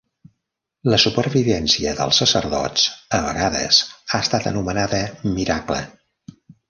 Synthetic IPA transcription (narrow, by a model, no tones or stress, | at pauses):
ləsupəɾβiβɛnsiəðə̰lˠsːəsəɾðɔ̰t͡səβəɣaðə̰zaəst̪at̪ə̰numənaðəmiɾaklə̰